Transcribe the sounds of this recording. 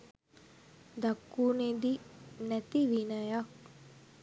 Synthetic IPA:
d̪ɐkːuːned̪inɛt̪iʋinɐjak

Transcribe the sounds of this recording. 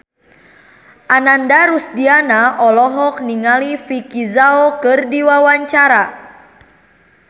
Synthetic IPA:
ʔanandaɾusdianaʔɔlɔɦɔk̚niŋalifikizaokɨrdiwawaɲt͡ʃaɾa

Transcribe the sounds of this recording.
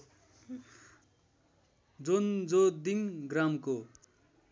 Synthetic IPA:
d͡zond͡zod̪iŋɡramko

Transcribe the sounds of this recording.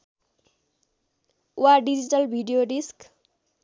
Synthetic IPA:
uaɖid͡ʑiʈʌlbʱiɖijoɖisk

